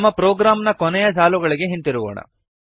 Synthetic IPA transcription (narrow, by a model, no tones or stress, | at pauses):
mːɐpɾoːɡɾaːmnɐkɔnɛjɐd͡ʒaːluɡɐɭiɡe̞ɦint̪iɾuʋo̰ːɳɐ̰